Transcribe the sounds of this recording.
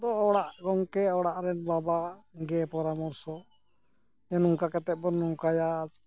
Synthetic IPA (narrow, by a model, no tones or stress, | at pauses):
d̪ɔɔɽaʔɡɔŋkɛɔɽaʔɾɛnbabaɡɛpɔɾamɔɾsɔ | ɛnuŋkakɛt̪ɛt̪̚bɔnnɔŋkaja